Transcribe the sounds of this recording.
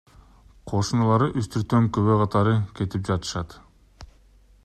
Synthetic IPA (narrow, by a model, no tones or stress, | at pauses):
qʰo̞ʃunulˠɑɾɯʔyst̪ʰyɾt̪ːøŋkøβøqʰɑt̪ɑɾɯke̞t̪ip̚d͡ʒɑt̪ɯ̥ʃɑt̪